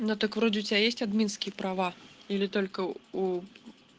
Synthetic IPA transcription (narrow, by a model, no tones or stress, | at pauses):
nɔd̪ɨkvɾɔd͡zʲɪwt͡sʲbʲejesʲt͡sʲad̪mʲinskʲijɐpɾavailʲit̪ɔlʲkɐu